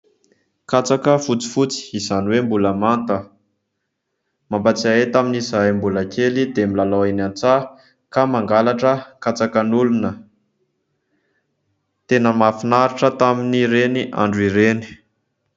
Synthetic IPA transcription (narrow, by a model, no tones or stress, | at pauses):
kat͡sakəfut͡si̥fut͡si̥izanwembuləmant̪ə | mambat͡siaet̪aminizajmbulakʲelid̪emilaloinant͡sa | kamaŋɡalaʈ͡ʂəkat͡sakənulunə | t̪enəmafinaɾiʈ͡ʂət̪aminiɾeniʔa̰ɳɖ͡ʐiɾeni̥